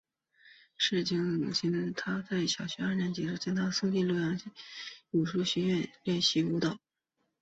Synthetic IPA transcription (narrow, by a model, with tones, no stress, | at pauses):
ʂɻ̩˥˩t͡ɕi˧˥ŋu˨˩t͡ɕʰi˧˥nt̪ʰa˥t͡sa˥˩ɪɕjɑ˨˩ʊɕɥɛ˧˥a˞˥˩njɛ˧˥nt͡ɕi˨˩ʈ͡ʂu˥˩t͡ɕi˥ŋt̪ʰa˥sɤ˥t̪i˥˧lu˥˧jɑ˥˩ŋ˥u˨˩ʂu˥˩ɕɥɛ˧˥ɥɛ˥˧nlɛ˥˧nɕi˥˩u˧˥t̪ɑ˨˩˦ʊ